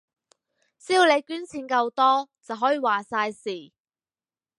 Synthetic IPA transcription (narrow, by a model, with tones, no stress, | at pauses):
siː˥˨˧le˨˧jkyː˨˥nt͡sʰiː˨˧˥nkɐ˧wt̪ɔː˥t͡sɐ˨wɦɔː˨˥jiː˨waː˨˩saː˧jsiː˨˩